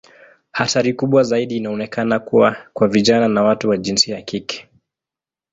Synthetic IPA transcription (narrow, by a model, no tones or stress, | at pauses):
hataɾikuɓwazaiɗiːnaɔnɛkanakuwakwaviʄananawatuwaʄinsiaakikɛ̥